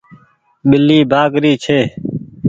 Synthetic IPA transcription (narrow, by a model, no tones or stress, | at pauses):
ɓɪlːiːbʱaːɡɾiːt͡ʃʰeː